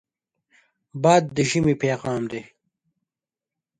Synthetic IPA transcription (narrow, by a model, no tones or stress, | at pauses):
baːd̪̚ːəʒimipeːɣɑːmd̪e